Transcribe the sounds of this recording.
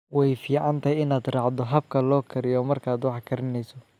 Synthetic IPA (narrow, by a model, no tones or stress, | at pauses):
wɛjfiːʕɑnt̪ʰɐjɪnaːd̪rɑːʕd̪ɔɦɐb̚kʰɐlɔːkʰɐɾɪjɔːmɐrkʰaːd̪wɑħkʰɐɾɪnɛjsɔ